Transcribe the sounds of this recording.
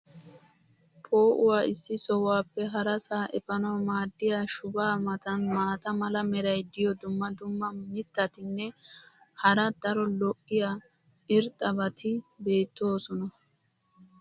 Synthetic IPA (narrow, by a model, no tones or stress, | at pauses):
pʰo̞ːʔʊwaːɪsːɪsɔwaːpːɛɦɐɾɐsaːʔɛpɐnɐwmaːd̪ːɪjaːʃʊbaːmɐt̪ɐnmaːt̪ɐmɐlɐmɛɾɐjd̪ɪjɔd̪ʊmːɐd̪ʊmːɐmɪt̪ːɐt̪ɪnːɛ | hɐɾɐd̪ɐɾɔlɔʔːɪjaː | ʔɪɾt̪ʼːɐbɐt̪ɪbe̞ːt̪ːo̞ːsɔnɐ